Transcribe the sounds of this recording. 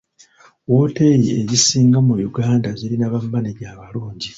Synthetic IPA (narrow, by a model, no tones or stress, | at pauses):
wo̞ːte̞ɾie̞jisiːŋɡamujuɡaːndaziɾinaβamːaniɟaːβaluːɲɟi